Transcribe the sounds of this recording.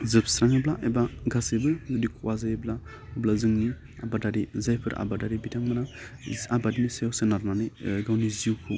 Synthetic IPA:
zɨbsɾaŋeblaʔebaɡasebɨzɐdikʰuwazajebla | blazɨŋni | a̰badaɾizajpʰɨɾʔa̰badaɾibidaŋmənaabadinisejosenaɾnaniɡawniziuwkʰu

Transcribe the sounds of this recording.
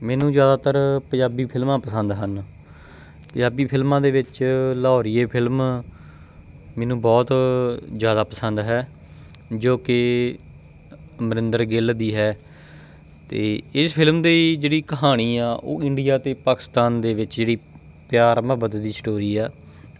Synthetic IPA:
mɛ̃ːnũːzjaːd̪aːt̪əɾpəd͡ʒaːbiːpʰɪlmãːpəsənd̪ɦən | pə̃d͡ʒaːbiːpʰɪlmãːd̪eːʋɪt͡ʃlɔːɾɪːeːpʰɪlm | mɛ̃ːnũːbɔːt̪zjaːd̪aːpəsənd̪ɦɛː | d͡ʒoːkɪ | məɾɪnd̪əɾɡɪld̪iːɦɛː | t̪eːɪspʰɪlmd̪iːd͡ʒeːɽiːkəɦaːɽ̃iːaːʔo̰ːɪ̃ɳɖijaːt̪eːpaːkɪ̥st̪aːnd̪eːʋɪt͡ʃd͡ʒeːɽiː | pɪjaːɾməbət̪d̪iːsʈoːɾiːaː

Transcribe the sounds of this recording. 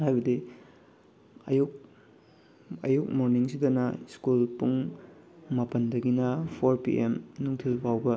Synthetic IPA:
hajbɐdi | ɐ̰juk̚ | ɐ̰juk̚moɾniŋsidɐnɐskulpuŋ | mɐpɐndɐɡinɐpʰoɾpḭʔemnuŋtʰilpawbɐ

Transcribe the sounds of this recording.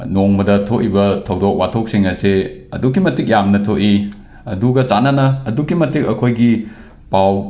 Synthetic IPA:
noŋmɐdɐtʰoʔibɐtʰɐwdok̚watʰok̚siŋɐseɐ̰dukːimɐtik̚jamnɐtʰoʔi | ɐduɡɐt͡ʃananɐːdukːimɐtik̚ɐkʰojɡi | paw

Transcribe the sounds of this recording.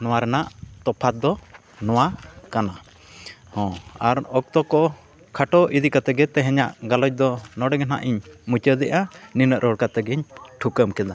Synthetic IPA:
nɔwaɾɛnaʔt̪ɔpʰat̪̚d̪ɔ | nɔwakana | hɔ̃aɾɔk̚t̪ɔkɔ | kʰaʈɔʔid̪ikat̪ɛɡɛt̪ɛɦɛɲaʔɡalɔc̚d̪ɔnɔɖɛɡɛna̰ʔiɲmut͡ʃəd̪ɛʔaninəʔɾɔɽkat̪ɛɡɛɲʈʰukəmkɛd̪a

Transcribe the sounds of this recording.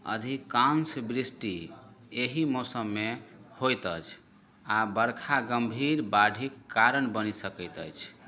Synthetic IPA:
ə̰d̪ʱikansbɾisʈieɦimosəmːehojt̪ət͡ʃʰ | abəɾkʰaɡəmbʱiɾbaɖʱikːaɾənbənisəkəɪt̪ət͡ʃʰ

